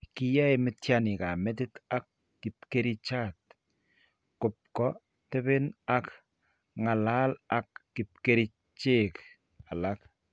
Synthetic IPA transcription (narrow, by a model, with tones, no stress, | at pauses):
ki˦ja˦emɪ˨tjani˨ka˨mɛ˦t̬ɪ˦ta˦kː | i˨p̚ke˦ɾi˦t͡ʃat̚ | ko˨p̚kɔ | tɛ˦βɪ˦na˦k | ŋa˨la˦la˨kːi˨p̚keɾi˦ | t͡ʃe˦k | a˨la˦k